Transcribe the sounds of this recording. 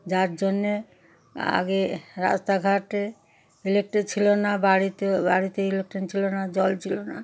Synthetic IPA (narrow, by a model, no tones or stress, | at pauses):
d͡ʑaɾd͡ʑonːe | a̰ɡeɾa̰st̪aɡʱaʈe | ilek̚ʈet͡ɕʰilonabaɾit̪obaɾit̪eilek̚ʈent͡ɕʰilonad͡ʑɔlt͡ɕʰilona